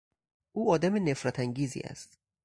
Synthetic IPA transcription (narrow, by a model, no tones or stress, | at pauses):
ʔuːɒːd̪æmene̞fɾæt̪ʰæŋɟiːzḭːʔæ̰st̪